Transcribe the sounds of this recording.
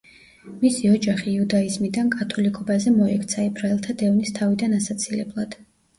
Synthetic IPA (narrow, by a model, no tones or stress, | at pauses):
misiɔd͡ʒaχiːud̪aizmid̪ankʼat̪ʰɔlikʼʰɔbazɛmɔɛkʰt̪sʰaibʰɾaɛlˠt̪ʰad̪ɛvnist̪ʰavid̪anasat̪sʰilɛblˠad̪̥